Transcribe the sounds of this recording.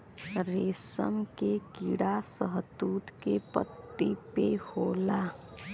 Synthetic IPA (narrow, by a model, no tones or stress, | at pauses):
ɾesə̰mkekiɽasəɦd̪uːt̪kepə̰t̪ːipehola